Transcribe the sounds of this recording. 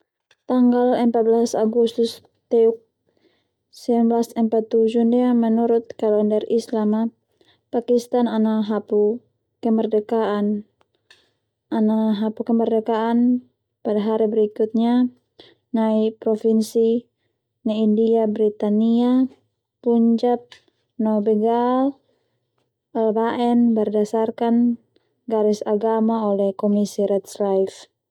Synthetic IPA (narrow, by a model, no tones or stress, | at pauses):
t̪aŋɡalɛmpat̪̚bəlasaɡust̪ʊs | t̪ɛuk̚ | sɛbnbəlasɛmpat̪ːud͡ʒundiamənuɾʊt̪̚kalɛndɛrislama | pakist̪ananaɦapu | kɛmərdɛkaan | ʔanaɦapukɛmərdɛkaːn | padaɦaɾibɛɾikut̪̚ɲa | naipɾɔfinsi | naindiabɾit̪ania | puɲd͡ʒap̪̚ | nɔbɛɡal | ɛlbaʔɛnbərdasarkan | ɡaɾisaɡamaɔlɛhkɔmisiɾɛt̪slaif